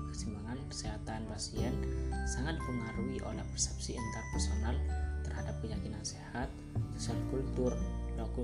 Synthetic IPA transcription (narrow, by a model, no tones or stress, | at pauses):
kəsimaŋankə̥seɦat̪anpasiɛnsaŋat̪̚pəŋaɾuiʔo̰lahpɛrsɛ̥p̚siint̪arpɛrsonalt̪ərhadap̚kəjakinansehat̪̚ | sosialkult̪ʊrlɔku